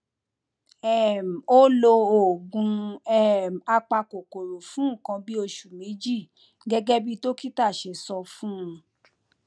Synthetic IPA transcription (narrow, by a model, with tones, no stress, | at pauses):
ɛ˦˨m̩˨o˦lo˧o˨ɡũ˧ɛ˦˨m̩˨a˧k͡pa˧ko˨ko˨ɾo˨fũ˨˦ũ˦˨kã˧bi˦o˧ʃu˨me˨˦d͡ʒi˦˨ | ɡɛ˦ɡɛ˦bi˦to˦ki˦ta˦˨ʃe˨sɔ˧fũ˦ũ˧